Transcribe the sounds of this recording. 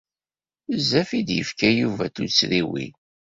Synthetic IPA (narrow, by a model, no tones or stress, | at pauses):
zːæfid̪jə̰fkæjuvæt̪usɾiwḭ